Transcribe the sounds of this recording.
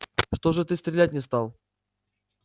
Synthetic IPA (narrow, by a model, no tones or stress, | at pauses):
ʂt̪oʐɨt̪ɨst̪ɾʲɪlʲæt̚ʲnʲɪst̪alˠ